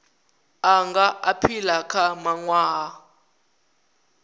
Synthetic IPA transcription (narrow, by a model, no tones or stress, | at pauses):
aŋɡaʔapʰilakʰamaŋwaː